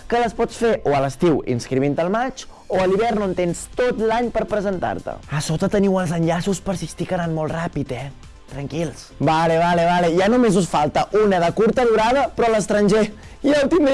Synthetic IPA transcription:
kələspɔt͡sfeʔoələst̪iwḭnskɾiβint̪əlˠmat͡ʃ | oəliβɛrnont̪enst̪ot̪laɲpəɾpɾəzənt̪a̰ɾt̪ə̰əsot̪ət̪əniwəlˠzənʎasuspəɾsist̪ikəɾanmolˠt̪rapit̪ɛ | t̪ɾəŋkilˠsbaleβaleβalejanumezusfalˠt̪əʔunəðəkuɾt̪əðuɾaðəpɾɔləst̪ɾənʲʒe | ialt̪im

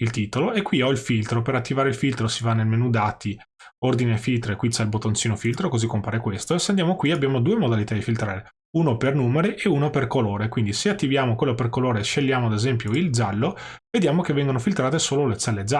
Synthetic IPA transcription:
ilt̪iːt̪oloekːwiɔilfilt̪ɾopeɾat̪ːivaːɾeilfilt̪ɾosivanːelmenud̪aːt̪i | ord̪inefilt̪ɾoekwit͡ʃɛilbot̪ːont͡ʃiːnofilt̪ɾokozikːompaːɾekwest̪oeseand̪jaːmokwiabːjaːmod̪uːemod̪alit̪ad̪ifilt̪ɾaːɾe | uːnopernuːmeɾiʔeuːnoperkoloːɾekwind̪iseat̪ːivjaːmokwelːoperkoloːɾeʃeʎːjaːmoad̪ezɛmpjoild͡ʒalːoved̪jaːmok̟evːɛŋɡonofilt̪ɾaːt̪esoːlolet͡ʃɛlːed͡ʒa

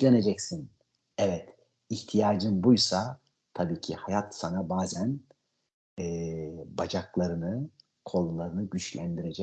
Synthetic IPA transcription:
lʲene̞d͡ʒɛcsin | ɛvɛt̪ | içt̪ʰijaːd͡ʒɯmbujsa | t̪ʰabiːcʰihajat̪sanabaːzæn | ɛːbad͡ʒaklˠaɾɯnɯ | kʰo̞lˠulˠaɾɯnɯɟyt͡ʃlʲænd̪iɾe̞d͡ʒɛ

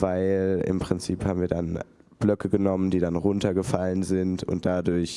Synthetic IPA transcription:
vaɪlɪ̰mpʁ̥ɪnt͡siːphaːm̩viːɐdan | b̥lœkʰəɡənɔməndiːdanʁʊntɐɡəfalənzɪntʊ̰nt̚d̥adʊɐç

